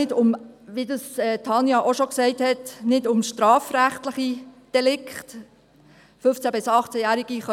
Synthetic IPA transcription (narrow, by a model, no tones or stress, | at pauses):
ɪdʊmʋidəsɛːtʰɑnjɑʔoʃɔksɛɪthɛtnɪdʊmʃtɾɑːfɾæχtləχid̥ɛlɪkχt | fʏft͡sæbɪsɑχt͡sæjæːɾiɡ̥iχœ